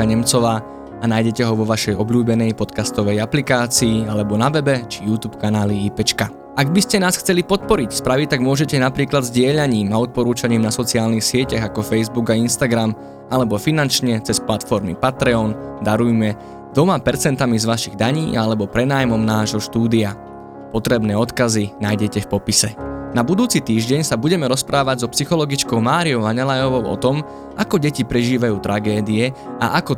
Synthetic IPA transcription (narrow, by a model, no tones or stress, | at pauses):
aɲɛmt͡sɔʋaː | anaːjɟɛcɛɦɔʋɔʋaʃɛjɔbʎuːbɛnɛjpɔt̪kast̪ɔʋɛjaplikaːt͡siːalɛbɔnaʋɛbɛt͡ʃijuːt̪uːpkanaːliipɛt͡ʃka | aɡbiscɛnaːsxt͡sɛlipɔt̪̚pɔɾicspɾaʋic̚t̪aɡmʊɔʒɛcɛnapɾiːklad̪zɟɪɛʎaɲiːmaɔt̪̚pɔɾuːt͡ʃaɲiːmnasɔt͡siaːlnixsɪɛcaɣakɔfɛjzbuɡainst̪aɡɾam | ʔalɛbɔfinant͡ʃɲɛt͡sɛsplat̪fɔɾmḭpat̪ɾɛɔnd̪aɾujmɛ | d̪ɔmapɛɾt͡sɛnt̪amizʋaʃiɣd̪aɲḭːalɛbɔpɾɛnaːjmɔmnaːʒɦɔʃt̪uːd̪ia | pɔt̪ɾɛbnɛːɔt̪kazinajɟɛcɛfpɔpisɛnabud̪uːt͡sit̪iːʒɟɛɲsabuɟɛmɛɾɔspɾʔaːʋaɟzɔpsixɔlɔɡit͡ʃkɔʊmaːɾiɔʊʋaɲɛlajɔʋɔʊʔɔ̰t̪ɔm | akɔɟɛcipɾɛʒiːʋajuːt̪ɾʔaɡɛːd̪iɛ | ʔa̰ʔakɔ